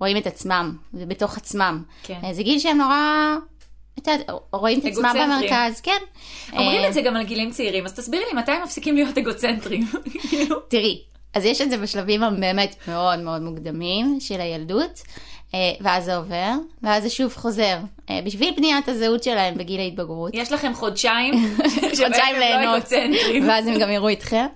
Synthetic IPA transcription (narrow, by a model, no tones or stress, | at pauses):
ʁo̞imetat͡smambeto̞χat͡smam | kzeɡilʃeemno̞ʁa | et̪aʁo̞imetat͡smambameʁkazkenʔomʁʁimezeɡamalɡilimt͡seiʁimazt̪asbiʁlimatajmafsikimlijo̞teɡot͡sentʁimkilutiʁi | azjeʃetzebeʃlavimabe̞ːme̞tme̞o̞dmeo̞dmuɡdamimʃe̞lajalduteveazeo̞ve̞ʁveazeʃuvχo̞ze̞ʁ | ḛbiʃvilpniathazeutʃelahe̞mbeɡilait̚baɡʁutjeʃlaχemχodʃaimodʃajimlenotent̪ʁiveazemɡamiʁuitχem